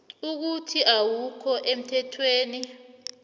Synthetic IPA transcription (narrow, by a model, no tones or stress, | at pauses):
uk̬utʰiʔawukʰɔʔem̩tʰɛtʰweːni